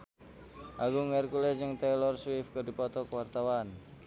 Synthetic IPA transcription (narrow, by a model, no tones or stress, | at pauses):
ʔaɡuŋɛrkulɛd͡ʒəŋt̪ɛlɔrswɪfkədi̤pɔt̪ɔkəwart̪awan